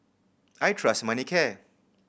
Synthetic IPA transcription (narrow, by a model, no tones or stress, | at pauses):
ajʈʰɾʌsmʌnikʰe